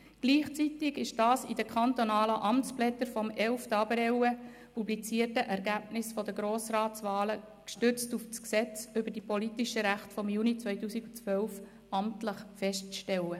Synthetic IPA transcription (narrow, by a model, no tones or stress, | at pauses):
ɡ̥liːχt͡sit̪ɪɡɪʃd̥ɑːsḭd̥əkʰχɑnt̪onɑːləʔɑmt͡splɛtəɾfɔmɛlftɑbəɾɛwə | publit͡siətəʔɛɾɡæbnɪsfɔd̪əɡɾoːsrɑːt͡sʋɑːlə | kʃtʏɾt͡stuft͡sksɛt͡sʏbəd̥ipɔlit̪ɪʃəɾæχtfɔmjunit͡sʋœʏtuːsiɡʊt͡sʋœlf | ɑmtləχfɛʃtt͡sʃtɛlːə